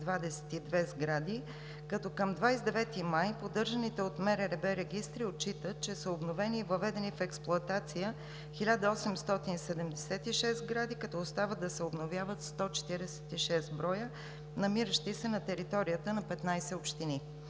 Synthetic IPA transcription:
d̪vad̪ɛsɛ̥t̪id̪vɛzɡɾad̪i | kɐt̪ɔkəmd̪vajsɛd̪ɛvɛt̪imajpod̪ɤɾʒɐnit̪ɛot̪mɛɾɛɾɛbɛɾɛɡist̪ɾiot̪̚t͡ʃit̪ət̪̚t͡ʃɛsəobnovɛniːvɐvɛd̪ɛnifɛksplˠʊɐt̪at̪sijə | xilʲad̪əɔsɛmst̪ɔt̪inisɛd̪ɛmd̪ɛsɛt̪iʃɛst̪ɡɾad̪ikɐt̪ɔːst̪avəd̪ɐsɛobnovjavət̪st̪ɔt͡ʃɛ̥t̪iɾɛsɛ̥t̪iʃɛst̪bɾɔjə | nɐmiɾəʃt̪isɛnɐt̪ɛɾit̪ɔɾijət̪ənɐpɛt̪najsɛopʃt̪ini

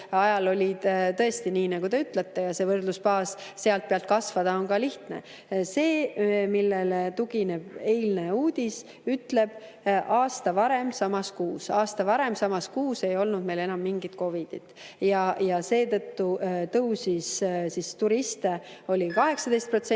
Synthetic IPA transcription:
ɑjɑlo̞lʲid̪̥t̪ɤ̞e̞st̪iniːnɑɡ̥ud̪e̞yt̪ˑlet̪ːe̞jɑse̞ːvɤrd̪luspɑːsːe̞ɑlt̪̚peɑlt̪̚kɑsvɑd̪̥ɑo̞nkɑliht̪nḛ | se̞ːmilːelt̪uɡ̥ine̞b̥e̞jlneuːd̪̥ʲis | yt̪le̞b̥ | ʔɑːst̪ɑvɑɾe̞msɑmɑskuːsɑːst̪ɑvɑɾe̞msɑmɑskuːse̞jo̞lnud̪̚me̞jle̞nɑmːiŋɡit̪̚ko̞vid̪̥ḭt̪jɑjɑse̞ːt̪ɤt̪ːut̪ɤwsissist̪uɾist̪e̞o̞lʲikɑɦe̞ksɑd̪e̞jst̪̚pro̞t̪se

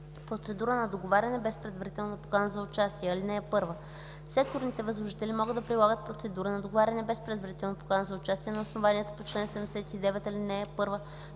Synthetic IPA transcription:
pɾot̪sɛd̪uɾənɐd̪oɡovaɾʲɐnɛbɛspɾɛd̪vɐɾit̪ɛlˠnopo̥kanəzɐʊt͡ʃast̪iɛɐlinɛːpɤɾvə | sɛk̚t̪oɾnit̪ɛvəzlˠoʒit̪ɛlimɔɡɤd̪ɐpɾilˠaɡət̪̚pɾot̪sɛd̪uɾənɐd̪oɡovaɾʲɐnɛbɛspɾɛd̪vɐɾit̪ɛlˠnopo̥kanəzɐʊt͡ʃast̪iɛnɐʊsnovaniɛt̪ə̥pot͡ʃlɛnsɛɛmd̪ɛsɛt̪id̪ɛvɛt̪ɐlinɛɛpɤɾvə

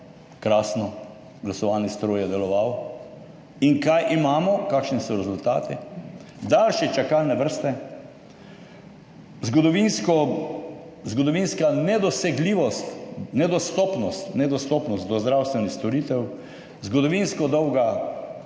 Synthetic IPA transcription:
kɾaːsnɔ | ɡlasɔʋanist̪ɾoːjɛd̪ɛlɔʋaw | iŋkajʔimaːmɔkakʃnisɔɾɛzult̪a̰ːt̪ḭ | d̪alʃit͡ʃakalnɛʋəɾst̪ɛ | zɡɔd̪ɔʋinskɔ | zɡɔd̪ɔʋinskanɛd̪ɔsɛɡliːʋɔst̪nɛd̪ɔst̪ɔːpnɔst̪nɛd̪ɔst̪ɔpnɔst̪d̪ɔzd̪ɾawst̪ʋɛnixst̪ɔɾiːt̪ɛw | zɡɔd̪ɔʋinskɔd̪ɔwɡa

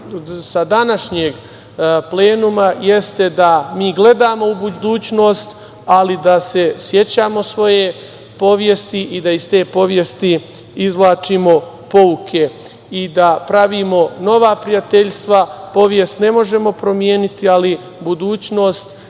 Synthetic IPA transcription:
sad̪anaʃɲeɡ | ple̞ːnumaje̞st̪e̞d̪amiːɡle̞d̪aːmo̞ubud̪uːt͡ɕno̞ːst̪ | alid̪ase̞sje̞t͡ɕaːmo̞sʋo̞je̞ | po̞ʋjest̪iʔid̪aist̪e̞ːpo̞ʋje̞st̪i | izʋlˠaːt͡ʃimo̞ | po̞ukʰe̞ | id̪apɾaʋiːmo̞no̞ʋaːpɾijat̪eʎst̪ʋapo̞ʋje̞st̪ne̞mo̞ʒe̞mo̞pɾo̞mje̞ːnit̪iali | bud̪uːt͡ɕno̞ːst̪

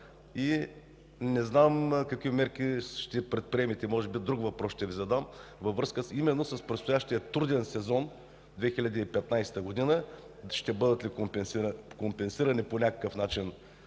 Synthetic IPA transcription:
i | nɛznamkɐkvimɛɾk̟ʲiʃt̪ɛpɾɛt̪̚pɾiɛmit̪ɛmɔʒɛbid̪ɾuɡvɐpɾɔsʃt̪ɛvizɐd̪amvɐvɾɤskəsimɛnːosɐspɾɛt̪st̪ojaʃt̪ijɐt̪uɾd̪ɛnsɛzɔn | d̪vɛxilʲɐd̪iːpɛt̪najsɛ̥t̪əɡod̪inə | ʃt̪ɛbɤd̪ɐt̪likompɛnsikompɛnsiɾɐniponʲakə̥kəfnat͡ʃin

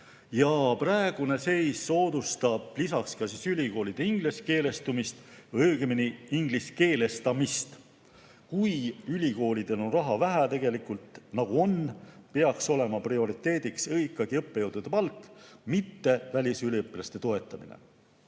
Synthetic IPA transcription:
jɑprɑeɡ̥une̞se̞jsːo̞ːd̪̥ust̪ɑb̥lisɑkskɑsisylʲiko̞ːlʲid̪̥eiŋɡ̥leske̞ːle̞st̪umist̪ɤɡeminiiŋɡliske̞ːle̞st̪ɑmist̪ | kujylʲiko̞ːlʲid̪̥e̞lo̞nrɑɦɑvæɦæt̪e̞ɡ̥e̞likult̪nɑɡ̥uo̞npe̞ɑkso̞le̞mɑprio̞ɾit̪ːe̞ːd̪̥iksɤikːˑɑɡ̥iɤpːe̞jɤwd̪ud̪̥e̞pɑlt̪ːˑmit̪ːe̞vælʲisylʲiɤpːˑilɑst̪e̞t̪o̞e̞t̪ːˑɑmḭnḛ

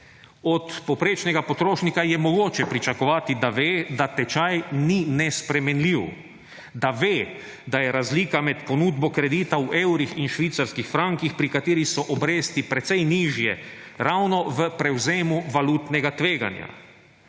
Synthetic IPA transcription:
ɔt̪pɔpɾeːt͡ʃnɛɡapɔt̪ɾoːʃnikajɛmɔɡoːt͡ʃɛpɾit͡ʃakɔʋaːt̪id̪aʋeːd̪at̪ɛt͡ʃajninɛspɾɛmɛnliw | d̪aʋeː | d̪ajɛɾazliːkamɛt̪pɔnuːd̪bɔkɾɛd̪iːt̪auʔewɾixinʃʋiːt̪saɾskixfɾaŋkixpɾikat̪eːɾixsɔʔɔbɾeːst̪ipɾɛt̪sɛjniːʒjɛɾawnɔʋəpɾɛwzeːmuʋalut̪nɛɡat̪ʋeːɡa̰nja̰

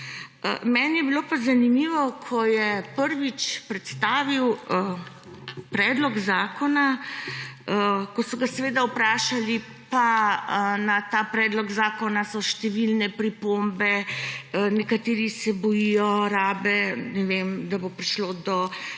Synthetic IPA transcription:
əmɛnjɛbilopazanimiːʋɔkʰɔjɛpəɾʋit͡ʃpɾɛt̪st̪aːʋiwə | pɾɛːd̪lɔɡzaːkɔna | kɔsɔɡasɛʋed̪aupɾaːʃali | paənat̪aːpɾɛd̪lɔɡzaːkɔnasɔʃt̪ɛʋilnɛpɾipombɛənɛkat̪eːɾisɛbɔjijɔɾaːbɛnɛʋemd̪abopɾiʃloːd̪ɔ

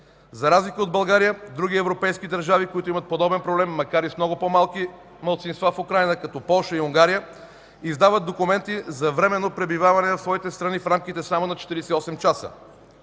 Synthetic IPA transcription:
zɐɾazlikəod̪̚bɐlˠɡaɾijəd̪ɾuɡiɛvɾopɛjskid̪əɾʒavikoit̪ʊimət̪̚pod̪ɔbɛnpɾoblɛmːɐkaɾismnɔɡʊpomalˠki | mɐlˠt̪sinst̪vafʊkɾajnəkɐt̪ɔpɔlˠʃəiuŋɡaɾijə | izd̪avət̪̚d̪okʊmɛnt̪izɐvɾɛmɛnːopɾɛbivavɐnɛnɐfsvɔit̪ɛst̪ɾɐnifɾamkit̪ɛsamonɐt͡ʃɛ̥t̪iɾiɛsiɔsɛmt͡ʃasə̰

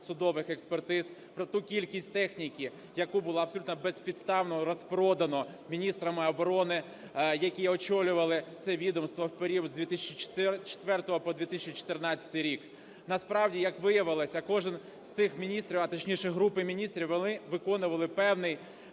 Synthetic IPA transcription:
sʊd̪ɔʋɪxekspert̪ɪzpɾɔt̪ukʲilʲkʲisʲt̚ʲt̪ɛxnʲikʲi | jɐkubʊlˠaɐbsɔlʲut̪nɔbɛspʲid̪st̪ɑwnɔɾɔspɾɔd̪ɐnɔmʲinʲist̪ɾɐmɪɔbɔɾɔnɪ | jɐkʲiɔt͡ʃɔlʲʊʋɐlˠɪt̪sɛʋʲid̪ɔmst̪ʋɔwpeɾʲiwzd̪ʲʋʲit̪ɪsʲɐt͡ʃit͡ʃ̪t͡ʃe̥t̪ʋɛrt̪ɔɦɔpɔd̪ʲʋʲit̪ɪsʲɛt͡ʃit͡ʃɔ̥t̪ɪrnɑt͡sʲɐ̥t̪ɪjɾʲik | nɐspɾɑwdʲijɐkʋɪjɐʋɪlˠɐsʲɐkɔʒɪn | st̪sɪxmʲinʲist̪ɾʲiwɐt̪ɔt͡ʃʲnʲiʃɛɦɾupɪmʲinʲist̪ɾʲiwʋɔnɪʋɪkɔnʊʋɐlˠɪpɛwnɪj

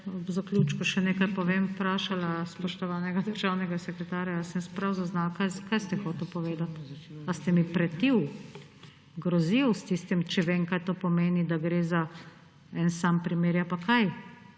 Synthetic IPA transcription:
zaklʲjut͡ʃkuʃɛneːkajpɔʋeːmpɾaːʃalaspɔʃt̪ɔʋaːnɛɡad̪əɾʒaːwnɛɡasɛkɾɛt̪aːɾjajasɛnspɾawzaznalkajzkajst̪ɛxɔːt̪ɛwpɔʋeːd̪at̪ast̪ɛmipɾɛt̪iw | ɡɾɔziwst̪ist̪imt͡ʃɛʋeŋkajt̪oːpɔmeːnid̪aɡɾeːza | ɛnsampɾimeːɾjapakʰaj

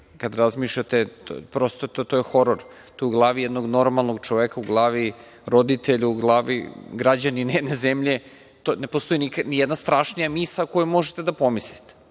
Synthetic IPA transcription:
kad̪ɾazmiʃʎat̪et̪o̰pɾost̪ot̪ot̪ojexo̞ɾoɾ | t̪ojuɡlˠaːʋijɛd̪no̞ɡno̞ɾmalˠno̞ɡt͡ʃoʋekauɡlˠaːʋi | ɾo̞d̪it̪eʎuuɡlˠaːʋḭɡɾad͡ʑaninejed̪nezemʎe̞ | t̪one̞post̪o̞jinikanijɛd̪nast̪ɾaːʃnijamisakojumo̞ʒet̪ed̪apo̞mislit̪e̥

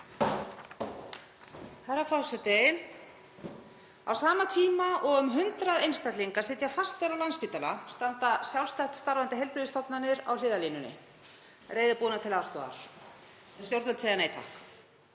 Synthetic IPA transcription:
haɾafɔsɛt̪ɪ | a̰wsaːmat̪ʰiːmaʔɔɣʏmɦʏnt̪ɾaðejnst̪at̪liŋkasɪt̪jafast̪eɾawlanspiːt̪ala̰st̪ant̪asjawlst̪aht̪st̪aɾvant̪ɪɦejlplʏvɪst̪ɔpnanːɪɾa̰wlɪːðaliːnʏnɪ̰ | reːjðɪpuːnat̪ʰɪlast̪ɔ̰a̰ɾ̥ | st̪jowɾt̪vɛlt̪seːjaneːjt̪ʰa̰hk

